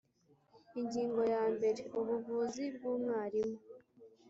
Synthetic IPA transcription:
iɲɟiːŋɡo̞jaːmbe̞ɾe̞uβuvuːzib̚ɡuːmŋaːɾimo

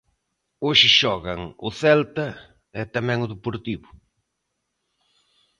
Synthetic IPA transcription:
oʃɪʃɔɣɐŋʊθɛlt̪ɐ | ɛt̪ɐmɛ̃ŋʊðepoɾt̪iβʊ

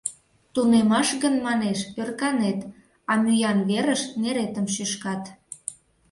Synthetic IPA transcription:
t̪unemɑʃɣənmɑneʃørkɑnet̪ | ɑmyjɑnβeɾəʃneɾet̪əmʃyʃkɑt̪

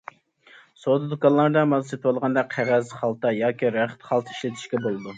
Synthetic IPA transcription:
sod̪ɨd̪ukɑnlˠɑɾd̪ɑmɑzset̪ʰwolˠʁɑnd̪ɑqʰæʁɛzχɑlˠt̪ɑjɑːkʲiɾæχt̪χɑlˠt̪ʰi̥ʃlɪt̪ʰi̥ʃkʲɛbolˠɨd̪u

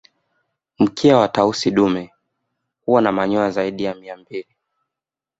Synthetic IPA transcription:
m̩kʰiawatausiɗumɛ | huwanamaɲɔazaiɗijamiambili

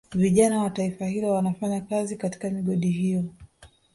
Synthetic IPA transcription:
viʄanawataifahilɔwanafaɲakazikati̥kamiɠɔɗihijɔ

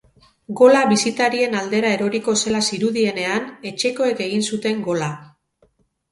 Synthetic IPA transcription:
ɡo̞laβisit̪aɾie̞nald̪e̞ɾae̞ɾo̞ɾiko̞se̞lasiɾuðie̞ne̞ane̞t͡ʃe̞ko̞e̞ke̞ɣ̞insut̪e̞ŋɡo̞la

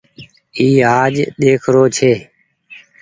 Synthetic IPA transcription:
iːaːd͡ʒɗ̪eːkʰɾoːt͡ʃʰeː

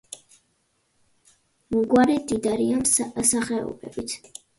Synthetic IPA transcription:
muɡwaɾɛd̪id̪aɾiamsaχɛɔ̰bɛ̰bit̪ʰ

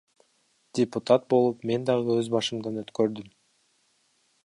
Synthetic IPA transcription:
d̥ʲɪput̪at̪̚bo̞lˠupme̞nd̪ɑʁɯøzbɑʃɯmd̪ɑnøt̪køɾd̪ym

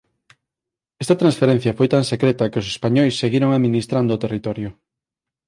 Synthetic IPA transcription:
ɛst̪ɐt̪ɾãnsfeɾen̟θjɐfojt̪aŋsekɾet̪ɐkeos̬e̥spaɲɔjsːeɣiɾoŋaðminist̪ɾand̪oːt̪erit̪ɔɾjo

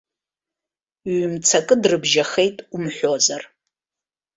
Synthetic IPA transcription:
ɥmt͡sʰakʼɨdrɨbʒaχe̞jtʼumħʷozar

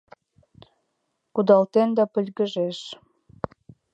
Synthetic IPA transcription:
kud̪ɑlt̪end̪ɑpə̆lʲɣəʒeʃ

